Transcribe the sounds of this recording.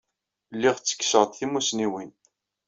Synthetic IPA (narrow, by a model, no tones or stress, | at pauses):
lːiʁt͡sːə̥kːsəʁt̪θimusniwin